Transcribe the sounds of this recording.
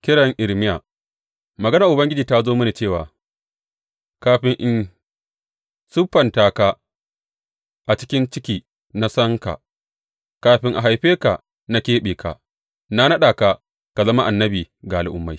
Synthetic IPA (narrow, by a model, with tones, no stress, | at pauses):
kʲɪ˦ɽɐ˨ŋʔɪ˨ɽmɪ˦jaː˨ | mɐ˨ɡɐ˦na˨ʔʊ˨bɐ˦ŋɡʲɪ˦d͡ʒiː˨ta˦zoː˦mɐ˦neː˨t͡ʃeː˦˨wa̰ː˨ | kaː˦ɸɪ˦ŋʔɪ˦n | sʊ˦ɸːɐ˨ntaː˨ka˦ | ʔa˨t͡ʃɪ̥˦kʲɪ˦nt͡ʃɪ˦kʲiː˨ | na˦sɐ˦ŋka̰˨ | kaː˨˦ɸɪ˦ŋʔa˨ɦa˨jɸeː˦ka˨ | na˦kʲeː˦ɓeː˨ka̰˨ | na˦nɐ˦ɗaː˨ka˨ | ka˨zɐ˦ma˦ʔa˨nːɐ˦biː˨ | ɡa˨lɪ˨ʔʊ˦mːa˦j